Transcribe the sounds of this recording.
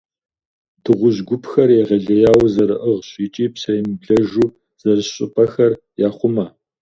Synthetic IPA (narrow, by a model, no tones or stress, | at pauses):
tʰɨʁʷʊʑɡʷʊpʰxɐrjɛʁɐɮɐjaːwzɐɾɨʔəʁɕʼiːt͡ʃʼiːpsɐjɪmbɮɐʒuː | z̥ɐrɨɕɕʼɪpʼɐxɐr | jaːχʷʊmɐ